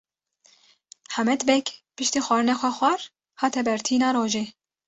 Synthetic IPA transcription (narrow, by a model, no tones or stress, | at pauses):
ħamɛt̪bɛkpɨʃt̪iːxʷɑːɾɨnɑːxʷɛxʷɑɾ | hɑːt̪ʰɛbɛɾt̪ʰiːnɑːɾoːʒeː